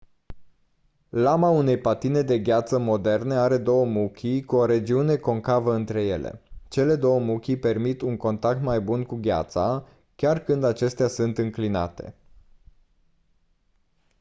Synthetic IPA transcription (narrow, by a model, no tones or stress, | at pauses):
lamaune̞jpat̪ine̞d̪e̞ɡʲat̪səmo̞d̪e̞rne̞aɾe̞d̪o̞wəmukʲʰikuo̞ɾe̞d͡ʒiune̞ko̞ŋkavəɨnt̪ɾe̞je̞̰lḛt͡ʃe̞le̞d̪o̞wəmukʲipe̞rmit̪uŋko̞nt̪ak̚t̪majbunkuɡʲa̰t̪sa̰ | kʲarkɨnd̪at͡ʃe̞st̪easunt̪ɨŋklina̰t̪e̞̰